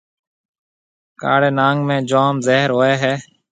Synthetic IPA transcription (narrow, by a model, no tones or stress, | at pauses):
ka̰ːɽeːnaːŋɡmẽːd͡ʒaːmzeːɦɾɦoːeːɦɛː